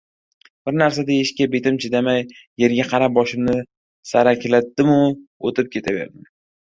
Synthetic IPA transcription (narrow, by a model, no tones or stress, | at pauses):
b̥ɪɾnaɾs̬ad̪ajɪʃkʲabe̞t̪ɪmt͡ʃʰɪd̪amajː | e̞ɾɡʲaqʰɑɾap̚bɒʃɪmnɪ | saɾakʲʰlat̪̚d̪ɪmʊot̪ɪp̚kʲʰe̞t̪ʰave̞̰ɾd̪ɪn